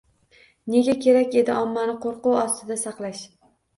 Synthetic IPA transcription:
ne̞ɡʲakʲʰe̞ɾakʲe̞d̪ɪɒmːanɪqʰoɾqʊwɒst̪ɪd̪asɑqlˠaʃ

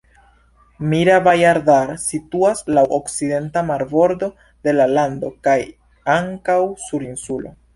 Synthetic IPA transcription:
miɾabajaɾdaɾsituaslaʔokt͡side̞ntamaɾbo̞ɾdo̞ | de̞lalando̞kaj | aŋkawsuɾinsulo̞̰

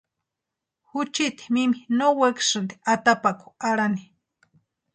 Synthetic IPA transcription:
hut͡ʃit̪i̥miminowekʂɨnd̪iat̪apaku̥aɽani

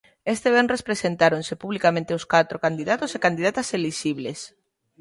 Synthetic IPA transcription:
est̪eβ̞enrespɾesent̪aɾonsepuβlikamẽnt̪eoskat̪ɾokand̪iðat̪osekand̪iðat̪aseliʃiβles

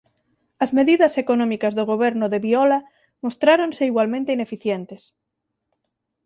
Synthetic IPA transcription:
ɐzmeðiðɐsekonɔ̃mikazðoɣ̞oβeɾnʊðeβiɔla | most̪ɾaɾõnseiɣwalmẽnt̪einefiθjent̪es

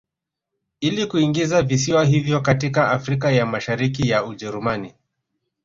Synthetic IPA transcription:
ilikuiŋɡizavisiwaɦivjɔkatikaafɾik̬ajamaʃaɾikijauʄɛɾumani

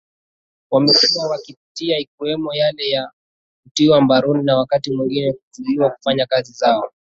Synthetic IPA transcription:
wamɛkuwawakipitiaikiwɛmɔjalɛja | kutiwambaɾuninawakatimwiŋɡinɛkuzuliwaku̥faɲakazizaɔ

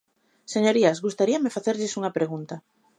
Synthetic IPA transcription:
seɲoɾiazɣust̪aɾiamefaθeɾʎɪsuŋɐpɾeɣunt̪a

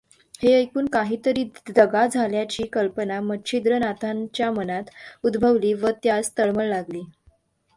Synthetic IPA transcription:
heəjkuːnkaɦiːt̪əɾiːd̪əɡad͡zʱaljat͡ɕiːkəlpənamətːɕʰid̪ɾənat̪ʰaɲt͡ɕjamənat̪ud̪bʱəʋliːʋət̪jad͡zt̪əɭməɭlaɡliː

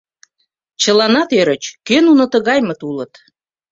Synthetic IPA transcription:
t͡ɕəlɑnɑt̪øɾət͡ɕkønunŏt̪əɣɑjmət̪ulət̪

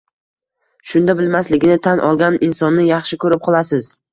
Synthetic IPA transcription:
ʃʊnd̪abɪlmaslɪɡʲɪnɪt̪ʰanʔɒ̰lˠɡʲanɪnsɒnːɪjɑχʃɪkʰɵɾɪp̚qʰɒlˠasɪz̥

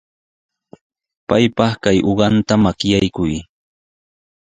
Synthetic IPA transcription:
pajpɑχkajʔoɢɑnt̪amakjajkʊj

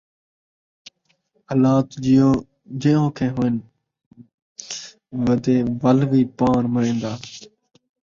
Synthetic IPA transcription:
ɦəlaːt̪d͡ʒioː | d͡ʒiːõːkʰẽːɦuːɪn | ʋəd̪eːʋəlʋiːpaːɾməɾẽːnd̪aː

